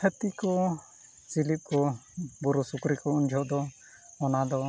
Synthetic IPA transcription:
ət̪ikɔ | t͡ʃilip̚kɔbuɾusukɾikɔund͡ʒʱɔʔd̪ɔ | ɔnad̪ɔ

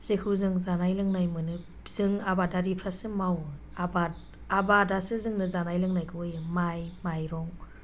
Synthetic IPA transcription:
z̥ekʰɯzɯŋzanajlɯŋnajmɯnɯ | z̥ɯŋabadaɾipʰɾasɯmaw | aba | abadasɯzɯŋnɯzanajlɯŋnajkʰɯɯjɯmajmajɾɔŋ

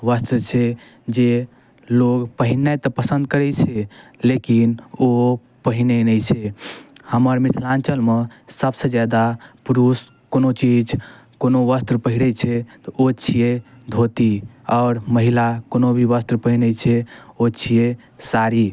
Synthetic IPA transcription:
ʋəst̪ɾət͡ʃʰɛ | d͡ʒe | loɡpəɦinːat̪ɔpəsə̃nd̪̚kəɾɛt͡ʃʰɛlekino | pəɦinenəjt͡ʃʰɛhəməɾmit̪ʰlant͡ʃəlmesəbsə̃d͡ʒad̪apuɾus | konot͡ʃid͡ʒ | konoʋəst̪ɾpəɦiɽɛt͡ʃʰɛt̪ot͡ʃʰije | d̪ʱot̪iɔːɾməɦilakonobʱiʋəst̪ɾpəɦinət͡ʃʰɛot͡ʃʰije | saɾi

